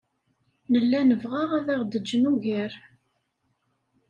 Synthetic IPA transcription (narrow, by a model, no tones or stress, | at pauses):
nəlːænəvʁaʁæðæʁd̪əd͡ʒːənuʝəɾ